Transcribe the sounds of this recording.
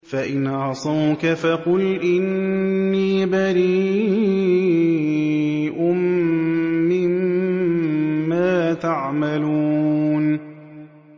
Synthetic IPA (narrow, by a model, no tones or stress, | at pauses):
faʔɪnʕɑsˤɑwkafɑqʊlʔɪnːiːbaɾiː | ʔʊmː | ɪm | aːt̪aʕmaluːn